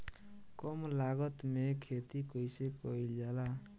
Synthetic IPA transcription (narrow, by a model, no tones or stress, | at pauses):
kɔmlaɡʌt̪mekʰet̪ikəjsekɔild͡ʒala